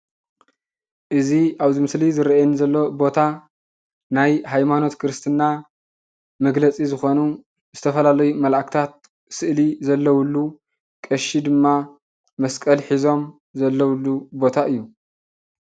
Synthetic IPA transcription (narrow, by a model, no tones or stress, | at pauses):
ʔɨziʔaβzimɨslizɨɾɐʔanzɐlːo̞bo̞t̪ʰa | najhajmano̞t̪kʰɨɾɨst̪ʰɨnːa | mɐɡlɐt͡sʼizɨxo̞nu | zɨt̪ʰɐfɐlalɐjumɐlʔakʰt̪ʰat̪̚ | sɨʔlizɐlːɐwʊlːu | kʼɐʃid̪ɨmːa | mɐskʼɐlħizo̞m | zɐlːɐwlːubo̞t̪ʰaʔɨjːu